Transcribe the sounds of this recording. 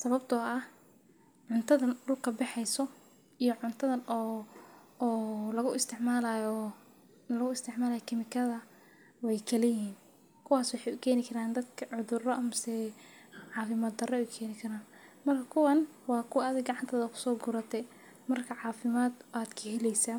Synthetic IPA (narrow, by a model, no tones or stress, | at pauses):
sɐβɐbt̪ʰɔɐh | ʕʊnt̪ʰɐðɐnɖʊlkʰɐbɛħɛjsɔ | ijɔʕʊnt̪ʰɐðɐnː | lɐɣʊʔɪst̪ʰɪʕmaːlaːjɔ | nɐlɐɣʊɪst̪ʰɪʕmaːlaːjɔkʰɪmɪkʰɐðɐ | wɛjkʰɐlɪjɪiːn | kʰʊwaːswɑħɛjʊkʰɛːnɪkʰɐɾaːnd̪ɐd̪kʰɐʕʊðʊrɔʔɐmsɛ | ʕɑːfɪmaːd̪̚ɐrɛɛjukʰɛːnɪkʰɐɾaːnmɐrkʰɐkʰʊwɐn | wɑːkʰʊwʔɐðɛɡɑʕɑnt̪ʰɐːðɐkʰʊ̥sɔːɡʊɾɐt̪ʰɛ | mɐrkʰɐʕɑːfɪmaːd̪ʔaːd̪kʰɐhɛlɛjsa